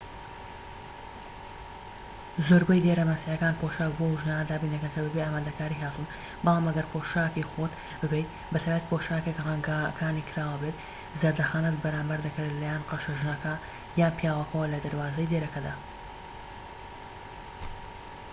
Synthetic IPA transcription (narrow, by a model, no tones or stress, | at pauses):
zoːɾbɐjd̪eɾɐmasiʕɐkaːnpʰoʃakboʒnaːnad̪aːbiːnɐkɐkɐbɨbeʔaːmaːd̪ɐkaːɾiɦaːt̪un | bɨlˠaːmɐɡɐɾpʰoʃaːkixot̪ | bɨbejt̪ | bɐt̪ʰaːjbət̪pʰoʃaːkekrɐŋɡakʰaːnikʰɨɾaːwɐbet̪ | zaɾd̪ɐxaːnɐtbɐɾaːmbɐɾd̪ɐkɨɾlaːjanqɑʃɐʒnɐkɐ | jaːnpjaːwɐkɐwɐlɐd̪ɐɾwaːzɐjd̪eɾɐkɐd̪aː